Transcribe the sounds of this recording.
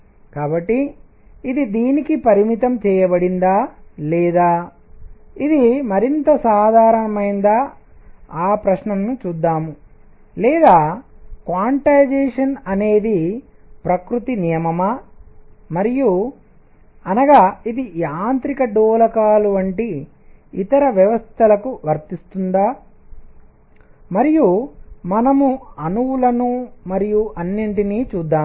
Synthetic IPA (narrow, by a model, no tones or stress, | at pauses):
kaːbɐʈːiː | d̪id̪iːnikipɐɾimit̪ɐmt͡ʃɛːjɐbɐɽind̪aːlɛːd̪aː | id̪imɐɾint̪ɐsaːd̪ʱaːɾɐɳɐmɐjnd̪a | aːpɾɐʃnɐmnut͡ʃuːd̪ːaːmu | lɛːd̪aːkʋaːɳʈajd͡ʒeːʂɐnɐne̞ːd̪i | pɾɐkɾut̪inijɐmɐmaː | mɐɾiju | ɐnɐɡaːid̪iaːnt̪ɾikɐɖoːlɐkaːluʋɐɳʈiː | t̪ɐɾɐʋjɐʋɐst̪ʰɐlɐkuʋɐɾt̪ist̪und̪aː | mɐɾijumɐnɐmuɐnuwulɐnumɐɾijuʔɐnːiɳʈiniːt͡ʃuːd̪ːaːm